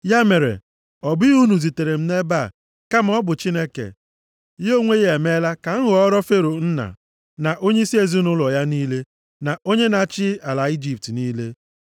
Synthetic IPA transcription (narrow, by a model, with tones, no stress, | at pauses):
ja˦me˨ɾḛ˨ | ɔ˨bɪ˦u˦nu˨zi˨te˨ɾe˨m̩˦ne˦ba˦˨ | ka˦m̩˦ɔ˦bʊ˨t͡ʃi˦ne˦kḛ˨ | jo˦ŋʷe˦je˨me˦la˦ka˨ŋ̩˦ɦʊ˨ɔ˦ɾɔ˦fe˦ɾo˨n̩˦na̰˨ | na˨ʔo˦ɲe˦i˦si˦e˨zi˦nʊ˦lɔ˨ja˦niː˦le˦ | na˨o˦ɲe˦na˨˦˨t͡ʃɪ˦a˨la˨i˦d͡ʒi˨p̚tniː˦le˦